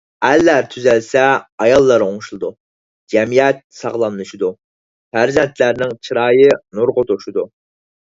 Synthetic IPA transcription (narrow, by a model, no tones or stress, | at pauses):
ælːæɾt̪ʰyzɛlsɛɑjɑlˠːɑɾoŋʃlˠɨd̪u | d͡ʒɛmijɛt̪̚sɑʁlˠɑnːɨʃid̪u | fæɾzɛnt̪ʰlæɾnɪŋt͡ʃʰɨɾɑːjɨnuɾʁʊt̪ʰoʃud̪u